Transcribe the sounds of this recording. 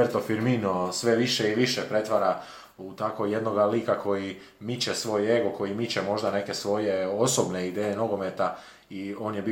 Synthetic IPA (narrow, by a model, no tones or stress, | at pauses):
eɾt̪o̞fiɾminosʋe̞ʋiʃeiʋiʃepɾe̞t̪ʋaɾa | ut̪akoje̞d̪no̞ɡalikako̞ji | mit͡ɕesʋo̞ːje̞ɡoko̞jimit͡ɕemo̞ʒd̪ane̞ke̞sʋo̞je̞osobne̞id̪eːjeno̞ɡo̞me̞t̪a | io̞ːnjebi